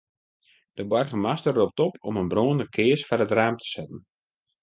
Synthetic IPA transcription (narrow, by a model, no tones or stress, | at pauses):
d̥əbɔrɣəmastərːop̚tɔpʰɔmənbroːnəkʰɪəsfarətraːmtʰə̥sɛtən̩